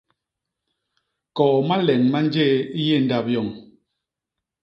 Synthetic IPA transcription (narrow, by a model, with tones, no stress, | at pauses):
kɔː˨ma˦lɛ˨ŋma˦n˦d͡ʒe˦˨i˦je˦˨n̩˦da˨p̚jɔ˨ŋ